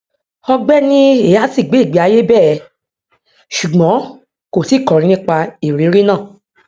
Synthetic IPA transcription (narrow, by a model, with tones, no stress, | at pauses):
ɔ˧ɡ͡bɛ˦nĩ˦e˦˨ja˨˦si˦˨ɡ͡be˨˦˨ɡ͡bi˨˦a˨˧˦je˦bɛ˦˨˧ | ʃu˨ɡ͡bɔ̃˨˦ | ko˦˨si˨˦˨kɔ˨ɾĩ˨˧nĩ˦k͡pa˧i˨ɾi˨˦ɾi˦nãː˦˨